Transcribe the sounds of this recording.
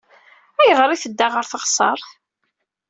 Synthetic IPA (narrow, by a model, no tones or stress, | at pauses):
æjəʁɾˤiθəd̪ːaʁəɾθəχsˤə̰ɾˤθ